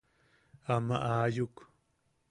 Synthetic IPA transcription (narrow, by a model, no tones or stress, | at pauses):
ama̰ʔaːjuk